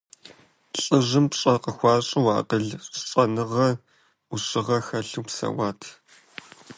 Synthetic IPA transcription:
ɬʼɨʑɨmpɕʼɐqəxʷɑːɕʼɪwɑ̰ːqəɮɕʼɐnɨʁɐ | uɕʼɪʁɐxɐɬuwpsɐ̰waːtʰ

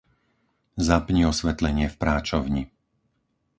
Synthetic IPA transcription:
zapɲiɔsʋɛt̪lɛɲɪɛfpɾaːt͡ʃɔʊɲi

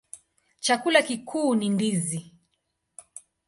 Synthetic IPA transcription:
t͡ʃakulakikʰuːnindizi

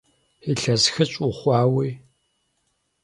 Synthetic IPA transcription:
iɬɐzxɨɕʼʊχʷɑːwiː

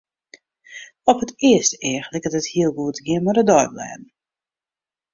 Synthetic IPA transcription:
ɔphətɪəstəɪəxlɪkətəthiəlˠɡuətɡɪəmadədɔjblɛ̰ːdn̩

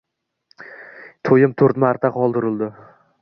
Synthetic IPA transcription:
t̪ʰojɪmt̪ʰɵɾt̪maɾt̪ʰaqʰɒlˠd̪ɪɾɪld̪ɪ

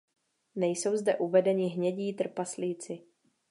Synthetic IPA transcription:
nɛjso̞wzdɛʔuvɛdɛɲɪɦɲɛɟiːt̪r̩pasliːt͡sɪ

